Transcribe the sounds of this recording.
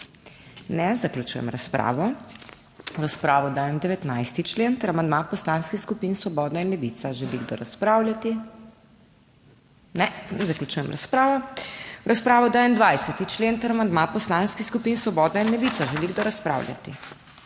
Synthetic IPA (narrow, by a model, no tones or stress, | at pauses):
nɛzaklʲut͡ʃṵjɛ̰mɾaspɾa̰ːʋɔ | ɾaspɾaːʋɔd̪aːjɛmd̪ɛʋɛt̪najst̪it͡ʃlent̪ɐɾamand̪mapɔslanskixskupinsʋɔbɔːd̪nainlɛʋit̪saʒɛliɡd̪ɔɾaspɾawlʲat̪i | nɛzaklʲut͡ʃujɛmɾaspɾaːʋɔɾaspɾaːʋɔd̪aːjɛnd̪ʋajsɛt̪it͡ʃleːnt̪ɐɾamand̪mapɔslanskiskupinsʋɔbɔːd̪nainlɛʋit̪saʒɛliɡd̪ɔɾaspɾa̰ːwlʲja̰t̪i